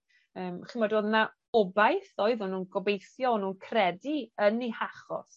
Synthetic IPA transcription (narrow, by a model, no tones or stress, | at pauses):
əːmχɪmadoːðna | ɔbajθɔɨðɔnuːnɡɔbejθjɔɔnuːnkʰrɛdiənihaχɔ̰s